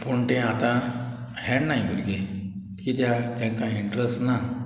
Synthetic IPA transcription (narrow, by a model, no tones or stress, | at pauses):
puɳt̪ẽat̪ã | hɛɳnːajɡuɾɡe | kiːt̪jat̪jaŋkãiɳɖɾəsʈna